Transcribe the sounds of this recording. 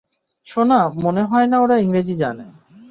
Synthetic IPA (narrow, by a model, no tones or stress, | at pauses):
ʃonamoneɦɔenaoɾaiŋɾed͡ʑid͡ʑa̰ne